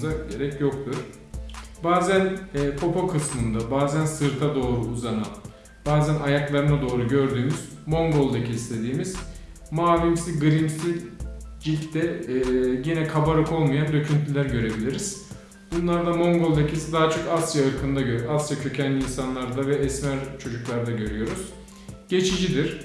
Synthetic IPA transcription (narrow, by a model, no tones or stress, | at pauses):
zaɟe̞ɾɛcjo̞k̚t̪ʰuɾ̥ | baːzænːpʰo̞pʰokʰɯsmɯnd̪abaːzænsɯɾt̪ʰad̪o̞ːɾuːzana | baːzænajaklˠaɾɯnad̪o̞ːɾuɟø̞ɾd̪yːmyz̥ | mo̞ŋɡo̞lˠd̪acʰiːst̪ʰe̞d̪iːmiz̥ | maːvʲimsiɡɯɾimsid͡ʒit̪d̪ɛ | jinɛkʰabaɾɯko̞lˠmajand̪ø̞cʰynt̪ʰilʲæɾɟø̞ɾe̞bilʲiɾiz̥ | b̥unlˠaɾd̪amo̞ŋɡo̞lˠd̪acʰisid̪aɦat͡ʃʰo̞kasjaɯɾkʰɯnd̪aøasjacʰø̞cʰænlʲiːnsanlˠaɾd̪avɛɛsmæɾt͡ʃʰo̞d͡ʒuklˠaɾd̪aɟø̞ɾyjo̞ɾuz̥ | ɟ̥e̞t͡ʃʰid͡ʒid̪iɾ̥